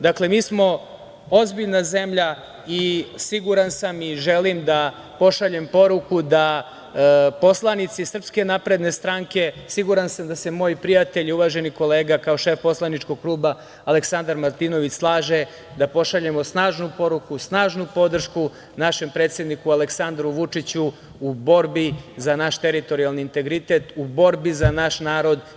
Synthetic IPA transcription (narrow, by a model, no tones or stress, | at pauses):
d̪akle̞miːsmo̞ | o̞zbiʎnaze̞mʎa | isiɡuɾansamiʒe̞limd̪a | po̞ʃaʎe̞mpo̞ɾukud̪a | po̞slˠanit̪sisr̩pske̞napɾe̞d̪ne̞st̪ɾaŋke̞siɡuɾansamd̪ase̞mo̞ːjpɾijat̪e̞ʎuʋaːʒe̞niko̞le̞ːɡakao̞ʃe̞fpo̞slˠanit͡ʃko̞ɡ̚klˠuːbaː | le̞ksand̪aɾmaɾt̪ino̞ʋit͡ɕslˠaːʒe | d̪apo̞ʃaʎemo̞snaːʒnupo̞ɾukusnaːʒnupo̞d̪r̩ʃku | naʃe̞mpɾet̪sje̞d̪nikuale̞ksand̪ɾuʋut͡ʂit͡ɕuː | bo̞ɾbizanaʃt̪eɾit̪o̞ɾialniːnt̪e̞ɡɾit̪e̞ːt̪ubo̞ɾbizanaʃnaːɾo̞d̪